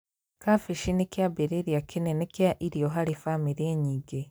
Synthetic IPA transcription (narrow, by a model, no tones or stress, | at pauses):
kafiʃinikjabeɾeɾijakʰinenekjaʔiɾijoɦaɾifamiɾeɲiːɡe